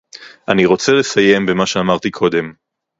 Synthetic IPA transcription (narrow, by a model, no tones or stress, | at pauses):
ʔaniʁo̞t͡sele̞saje̞mbemaʃeamaʁt̪ikʰo̞d̪e̞m